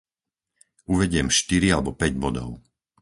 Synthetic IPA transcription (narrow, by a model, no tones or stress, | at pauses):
uʋɛɟɪɛmʃt̪iɾialɛbɔpɛɟbɔd̪ɔ̰ʊ